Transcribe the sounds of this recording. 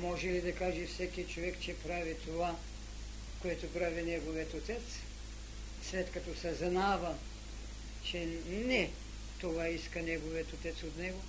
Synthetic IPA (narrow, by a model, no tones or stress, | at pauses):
mɔʒɛlid̪ɐkaʒɛfsɛkiət͡ʃovɛkt͡ʃɛpɾavit̪ova | koɛt̪opɾavinɛɡoviət̪ot̪ɛt̪s | slɛt̪kɐt̪ɔsɛznavɐ | t͡ʃɛnɛ | t̪ovaiskɐnɛɡoviət̪ot̪ɛt̪sot̪nɛɡo